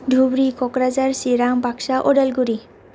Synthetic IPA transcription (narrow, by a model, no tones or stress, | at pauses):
dʱubɾikɔkɾazaɾsiɾambakʃaʔɔɖalɡuɾi